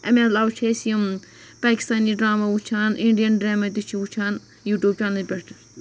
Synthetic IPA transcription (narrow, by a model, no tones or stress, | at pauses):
ɐ̰melaːwut͡ʃʰeːsim | paːki̥st̪aːniɖɾaːmaut͡ʃʰaːniɳɖijɐnɖɾaːmɐt̪ut͡ʃʰiwut͡ʃʰaːn | juːʈʲjuːb̚t͡ʃaːnɐlʲbʲeʈʰ